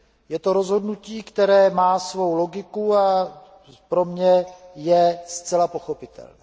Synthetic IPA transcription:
jɛt̪o̞ɾo̞zɦo̞dnuciːkt̪ɛɾɛːmaːsvo̞wlo̞ɡɪkua | pɾo̞mɲɛjɛst͡sɛlapo̞xo̞pɪt̪ɛ̰lnɛː

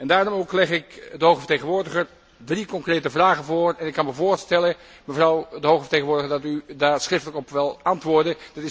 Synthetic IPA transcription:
ɛndaːrɔmoːklɛχɪkdəɦowχəvə̥teɣənʋʊːɹdəχər | drikɔŋkrejtəvraːɣənvoːrɛnɪkːɑnməvoːɹstɛlə | məvrɔwdəɦoɣə̥teːɣənʋʊːɹdəɣəɹdɑtydaːɹsχrɪftələkɔpʋɪlˠɑntʋʊːɹdəd̥ɪtɪ

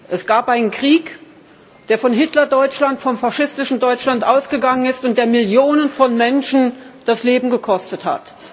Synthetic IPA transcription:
ʔɛsɡ̥aːpʔaɪnənkʁ̥iːk | d̥eːɐfɔnɦɪtlɐdɔʏt͡ʃlantfɔmfaʃɪstɪʃn̩dɔʏt͡ʃlantʔaʊsɡ̥əɡaŋənɪstʊnt̚d̥eːɐmɪljoːnənfɔnmɛnʃn̩d̥asleːbm̩ɡəkʰɔstətha̰t

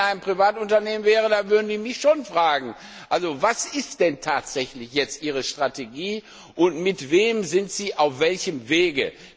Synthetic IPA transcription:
aɪnpʁ̥ivaːtʊntɐneːmənvɛːʁədaːvʏɐdəzɪimɪçʃoːnfʁ̥aːɡŋ̩ | ʔʔalzovasɪstd̥ɛntʰaːtz̥ɛçlɪçjɛt͡stʔiːʁəʃtʁ̥atʰeɡiː | ʔʊntmɪtv̥eːmzɪntz̥iːʔaʊfv̥ɛlçəmveːɡə̰

